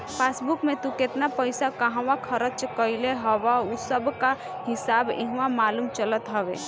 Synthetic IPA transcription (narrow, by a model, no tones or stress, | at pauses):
pʰeːsbukmẽt̪uket̪napəɪsakəɦãwakʰəɾət͡ʃkəileɦəwausəbka | hɪsaːbḭ̃ɦwamaːlumt͡ʃələt̪ɦəʋḛ